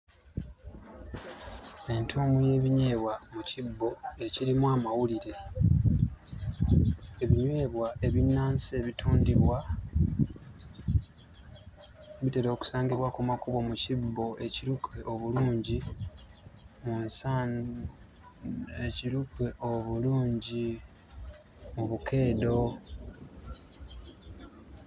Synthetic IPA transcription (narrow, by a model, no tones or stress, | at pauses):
e̞ntʰoːmuje̞ːβiɲwe̞ːβwamucibːo̞e̞ciɾimwamawuliɾe̞ | eβiɲwe̞ːβwae̞βinːaːnse̞ːβitʰuːndiβwa | βite̞ɾo̞ːku̥saːŋɡiβwakumakuβomucibːo̞ʔe̞ciɾukʰe̞ʔo̞βuluːɲɟi | munsan | eciɾukweʔoβuluːɲɟi | muβukʰe̞ːdo̞